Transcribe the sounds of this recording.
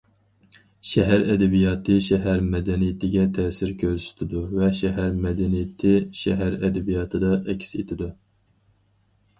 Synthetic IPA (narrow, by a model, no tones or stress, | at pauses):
ʃɛɦæɾɛd̪ɛbijɑːt̪ʰɨʃɛɦæɾmɛd̪ɛnijɪt̪ʰɪɡʲɛt̪ʰɛːsɪɾkʲʰøɾsy̥t̪ʰɪd̪uvɛʃɛɦæɾmɛd̪ɛnijɪt̪ʰɪʃɛɦæɾɛd̪ɛbijɑːt̪ʰɨd̪ɑʔɛkʲset̪ʰɪd̪u